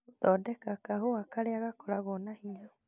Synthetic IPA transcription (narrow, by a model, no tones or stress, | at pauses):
ðɔdɛkakaɦoakaleaɣakolaɣɔnahiɲa